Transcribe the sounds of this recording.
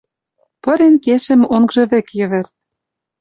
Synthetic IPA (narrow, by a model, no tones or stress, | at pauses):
pɤ̆ɾenkeʃɘ̆moŋɡʒɤ̆βĕkjɘ̆βĕrt̪̚